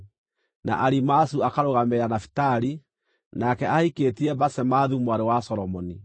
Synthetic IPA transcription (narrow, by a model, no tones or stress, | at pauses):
na̰ʔaɾimasuakaɾoɣameɾanafi̥taɾi | nakɛaiketiɛbasɛmaðumwaɾewasɔɾɔmɔni